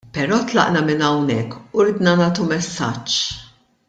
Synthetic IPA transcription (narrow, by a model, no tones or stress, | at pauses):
pɛɾɔːt̪lɐ̰ʔnɐmɪnɐwnɛkːuɾɪːd̪nɐnɐːt̪umɛsːɐ̰t͡ʃː